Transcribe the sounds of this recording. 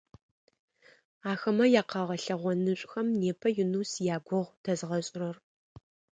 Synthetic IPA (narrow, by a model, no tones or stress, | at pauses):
aːxɐmɐjaːqɐʁɐɬɐʁʷɔnɨɕʷʼxɐmneːpʰɐjʊnuːsjaːɡʷɔʁʷd̥ɐzʁɐɕʼrɐr